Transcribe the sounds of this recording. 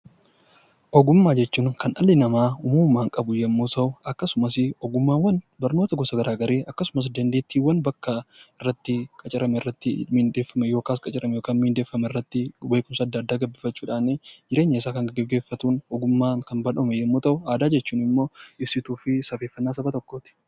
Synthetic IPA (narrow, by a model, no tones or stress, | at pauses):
ʔɔɡʊmːaːd͡ʒɛt͡ʃːuːŋkɐnʔɐlɪnɐmaːʊmuːmːaːŋkʼɐbʊjɛmːuːt̪ɐʔʊʔɐkːɐsʊmɐsɪɔɡʊmːaːnwɐn | bɐɾnoːt̪ɐɡɔsɐɡɐɾʔaːɡɐɾeːʔɐkːɐsʊmɐs̬d̪ɐnd̪eːt̪ːiːwːɐnbɐkːɐɪrːɐt̪ːɪkʼɐt͡ʃʼɪɾɐmɛɪrːɐt̪ːɪmɪnd̪e̞ːfːɐmɛjo̞ːkaːskʼɐt͡ʃʼɪɾɐmɛjoːkaːnmɪɪnd̪eːfːɐmɛɪrːɐt̪ːɪwɐjkʊmsɐːd̪ːaːd̪ːaːɡɐbːɪfɐt͡ʃːuːᶑaːned͡ʒɪɾe̞ːɲːɐɪs̬aːkɐŋɡɡɛɡːe̞ːfːɐt̪uːnɔɡʊmːaːkɐnbɐlɐmɛjɛmːuːt̪ɐʔʊaːd̪aːd͡ʒɛt͡ʃːuːnɪmːo̞ːɪbsɪt̪uːfɪsɐfe̞ːfːɐnːaːsɐbɐt̪ɔkːoːt̪ɪ̥